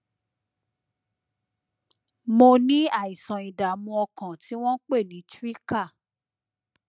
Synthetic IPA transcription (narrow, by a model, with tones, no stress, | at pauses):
mo˧nĩ˨˦a˦˨i˨sã˨i˨da˨mũ˧ɔ˧kã˨ti˨˦w̃ɔ̃˦k͡pe˦˨nĩ˨˦tɾi˦ka˦˨